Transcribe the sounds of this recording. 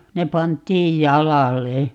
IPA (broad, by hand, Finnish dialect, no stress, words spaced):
ne pɑntˑiːj jɑlɑle